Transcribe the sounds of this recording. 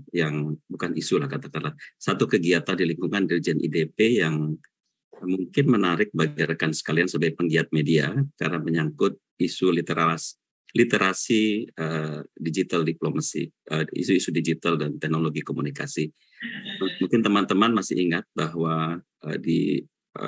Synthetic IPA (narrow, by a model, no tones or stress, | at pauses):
jaŋbukanisulahkat̪akanlasat̪ukəɡiat̪andiliŋkuŋandiɾid͡ʒɛnʔḭdepejaŋ | əmuŋkɪnmənaɾɪk̚baɡaɾkansə̥kaliansəbaj̚pəŋɡiat̪̚mediaka̰ɾnaməɲaŋkʊt̪̚ | isulit̪eɾas | lit̪eɾasiədid͡ʒit̪aldiplomasḭəḭsuisudid͡ʒit̪aldant̪ɛhnoloɡikomunika̰si | muŋkɪnt̪əmant̪əmanmasɪ̰iŋat̪̚baɦwa | ə̰dḭ | ə̰